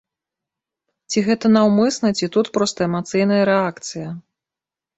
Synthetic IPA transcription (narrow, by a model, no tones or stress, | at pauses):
t͡sʲiɣɛt̪ɐnawmɨsnɐt͡sʲit̪ut̪pɾɔst̪ɐɛmat̪sɨjn̪ɐjɐɾɛakt̪sɨjɐ